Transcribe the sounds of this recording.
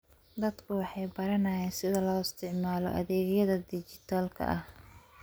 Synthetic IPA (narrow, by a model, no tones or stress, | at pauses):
d̪ɐd̪kʰʊwɑħɑjbɐɾɐnɐːjɛːnsɪðɐlɔːɪst̪ʰɪʕmaːlɔ̰ʔɐ̰ðɛːɣjɐðɐd̪ɪt͡ʃɪt̪ʰaːlkʰɐ̰ʔɐh